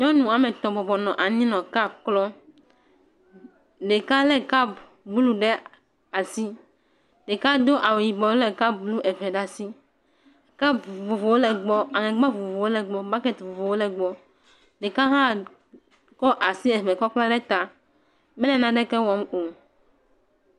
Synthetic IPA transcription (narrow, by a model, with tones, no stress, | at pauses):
ɲɔ̃˦nũ˨a˨mɛ̃˨t̪ɔ̃˨bɔ˨bɔ˨nɔ̃˨ʔa˨ɲĩ˦nɔ̃˨ka˦bklɔ˦ | ɖe˨ka˦lɛ˦ka˦b | bu˦lu˦ɖɛ˦ | a˨si˦ | ɖe˨ka˦d̪o˦ʔa˨we˨ji˨bɔ˨wlɛ˨ka˦bblu˦ʔɛ˨vɛ˨ɖa˨si˦ | ka˦bvo˨vo˨wo˦lɛ˨ɡ͡bɔ˦a˨ŋɛ̃˨ɡ͡ba˦vo˨vo˨vo˨wo˦lɛ˨ɡ͡bɔ˦ba˦kɛ˦˨t̪vo˨vo˨wo˦lɛ˨ɡ͡bɔ˦ | ɖɛ˨ka˦ɦã˦ | kɔ˦ʔa˨si˦ɛ˨vɛ˨kɔ˦k͡plɔ˦ɖɛ˦t̪a˨ | mɛ˦lɛ˨nã˨ɖɛ˦kɛ˦wɔ˦mo˨